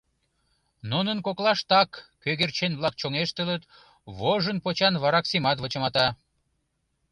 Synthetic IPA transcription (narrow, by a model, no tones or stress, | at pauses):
nunənkoklɑʃt̪ɑkː | øɣert͡ɕenβlɑk̚t͡ɕoŋeʃt̪ələt̪ | βoʒənpot͡ɕɑnβɑɾɑksimɑt̪βot͡ɕə̆mɑt̪ɑ